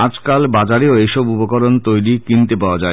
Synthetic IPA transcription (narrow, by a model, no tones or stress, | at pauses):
ad͡ʑkalbad͡ʑaɾeoejʃɔbupokɔɾont̪ojɾikint̪epaoad͡ʑae